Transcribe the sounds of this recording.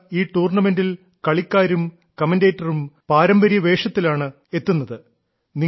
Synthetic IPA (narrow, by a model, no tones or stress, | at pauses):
iːʈuːrɳɐme̞ndil | kɐɭikʲːaːɾum | kɐmɐndeːtːɐrumpaːɾɐmbɐɾijɐʋe̞ːʂɐt̪ːilaːɳɨ | e̞t̪ːunːɐðɨ | ni